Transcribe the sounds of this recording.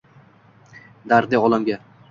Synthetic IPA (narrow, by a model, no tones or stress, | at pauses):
d̪aɾd̪ɪɒlˠamɡʲa